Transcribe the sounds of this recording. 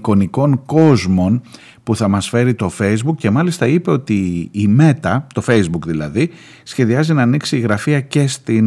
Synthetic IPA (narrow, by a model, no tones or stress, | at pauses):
ko̞niko̞ŋko̞zmo̞n | puθɐmɐsfe̞ɾit̪o̞fe̞izbukce̞mɐlist̪ɐipe̞o̞t̪iːme̞t̪ɐt̪o̞fe̞jzbukðilɐ̰ði | sçe̞ðiɐzinɐːniksiːɣɾɐfiɐce̞st̪i